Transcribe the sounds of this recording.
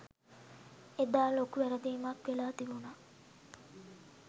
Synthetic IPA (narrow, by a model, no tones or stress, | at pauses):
ed̪aːlokuʋæɾəd̪iːmakʋelaːt̪ibuna